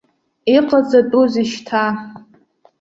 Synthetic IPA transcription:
iqʼad͡zatʼuziʃtʰa

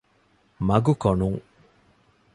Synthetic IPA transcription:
mɐɡukonuŋ

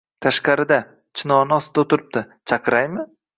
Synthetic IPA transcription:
t̪ʰaʃqɑɾɪd̪a | t͡ʃʰɪnɒnɪɒst̪ɪd̪aot̪ʰɪɾɪp̚d̪ɪ | t͡ʃʰaqʰɨɾajmɪ

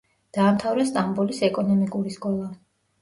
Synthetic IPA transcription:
d̪̥aːmt̪ʰavɾɛst̪ʼambulisɛkʼɔnɔmikʼuɾiskʼɔlˠa

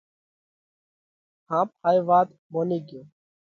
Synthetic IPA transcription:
hãːp̚haːiʋaːt̪ | moːniːɡjoː

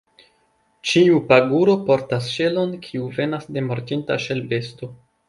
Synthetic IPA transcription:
t͡ʃiupaɡuɾo̞po̞ɾtasʃe̞lo̞nkʰiuve̞nasde̞moɾtinta̰ʃelbe̞sto̞

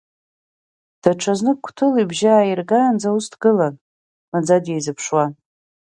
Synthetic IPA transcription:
d̥aʈ͡ʂʰaznɨkʷʰtʰɨlibʒaːirɡaːnd͡zaustʰɡɨlan | mad͡zadjejzɨpʰʂwan

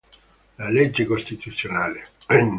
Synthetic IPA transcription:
laled͡ʒːekost̪it̪ut̪sːjonaːle

